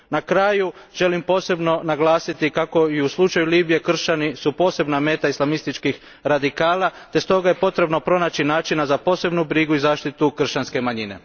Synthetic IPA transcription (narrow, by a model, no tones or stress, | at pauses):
nakɾajuʒ̥e̞limpo̞ːse̞bno̞naɡlˠaːsit̪ikako̞iuslˠut͡ʃajuliːbije̞kr̩ʃt͡ɕanisupo̞ːse̞bname̞ːt̪aislˠamist̪it͡ʃkix | ɾad̪ikaːlˠat̪e̞st̪o̞ɡaje̞po̞t̪ɾe̞bno̞pɾo̞naːt͡ɕinaːt͡ʃinazapo̞ːse̞bnubɾiɡuizaːʃt̪it̪ukr̩ʃt͡ɕanske̞maɲine̞̰